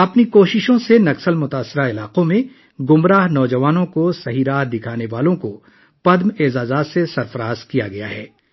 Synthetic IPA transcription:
ɐpnikoːʃɪʃõsenɐksəlmʊt̪aːsːɪɾaɪlaːqõmẽ | ɡʊmɾaːɦnɔːd͡ʒɐʋaːnõkosɐɦiːɾaːɦd̪ɪkʰaːneʋaːlõko | pɐd̪meːzaːzaːt̪sesɐɾfɐɾaːzkija̰ɡɐja̰ɦɛː

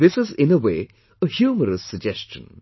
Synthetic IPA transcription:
ðɪsɪzɪ̃nəweː | əhjuːməɾəsːəd͡ʒɛst͡ʃə̰̃n

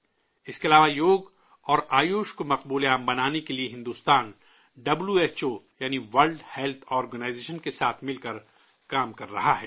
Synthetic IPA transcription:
ɪskeɐlaːʋajoːɡ | ɔːɾaːjoːʃkomɐq̚buːleaːmbɐnaːnekelieɦɪ̃nd̪uːst̪aːn | ɖɐbljueːt͡ʃoːjaːniʋɐɾlɖhɛlt̪ʰɔːɾɡənaːɪzeːʃənkesaːt̪ʰmɪlkɐɾ | kaːmkɐɾːɐɦaɦɛ̰ː

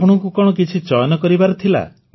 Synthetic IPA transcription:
pɔɽ̤̃ɔŋkukɔɽ̃ɔk̬it͡ʃʰit͡ʃɔjɔnɔkɔɾibaɾɔt̪ʰila̰

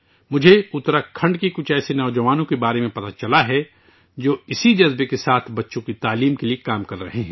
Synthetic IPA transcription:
mʊd͡ʒʱeʊt̪ɾakʰɐ̃ɳɖkikʊt͡ʃʰɛːsenɔːd͡ʒɐʋaːnõkebaːɾemẽpɐt̪at͡ʃɐlaɦɛ | d͡ʒoːɪsid͡ʒɐzbekesaːt̪ʰbɐtːʃõkit̪aːliːmkeliekaːmkɐɾːɐɦeɦɛ̃ː

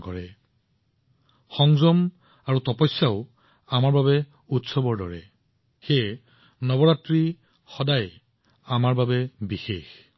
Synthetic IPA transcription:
kɔɹɛ | xɔŋzɔm | aɹutɔpɔjsaʊ | amaɹbabɛ | utsɔbɔɹdɔɹɛ̰ | xej | nɔbɔɹatɹi | xɔdaj | amaɹbabɛbixex

